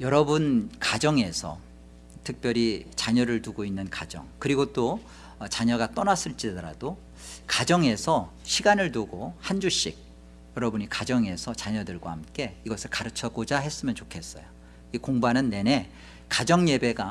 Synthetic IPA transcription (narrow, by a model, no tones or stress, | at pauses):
jʌɾʌbunkad͡ʑʌŋe̞sʰʌ̰ | tʰɯk̚p͈jʌɾit͡ɕaɲʌɾɯɭtuɡoinːɯnkad͡ʑʌ̰ŋkɯɾiɡot͈o | t͡ɕaɲʌɡat͈ʌnas͈ɯɭt͡ɕ͈idʌɾa̰do | kad͡ʑʌŋe̞sʰʌɕʰiɡanɯɭtuɡohand͡ʑuɕ͈iɡ̚ | jʌɾʌbunikad͡ʑʌŋe̞sʰʌt͡ɕaɲʌdɯɭɡwa̰hamk͈e̞iɡʌsʰɯɭkaɾɯt͡ɕʰʌɡod͡ʑaɦe̞s͈ɯmjʌnt͡ɕokʰe̞s͈ʌjo | ikoŋbanɯnːe̞ne̞ | kad͡ʑʌŋje̞be̞ɡa